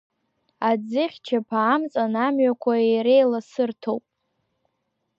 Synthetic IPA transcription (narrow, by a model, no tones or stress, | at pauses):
ad͡zɨχʲt͡ʃʰapʰaːmt͡sʼanamɥakʷʰaejɾejlasɨrtʰowpʼ